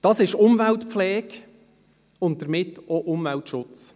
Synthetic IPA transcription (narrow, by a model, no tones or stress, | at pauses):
d̥ɑsɪʃʊmvæltpflɛːk | ʊnt̚d̥əɾmɪtːoʔʊmvæltʃʊt͡s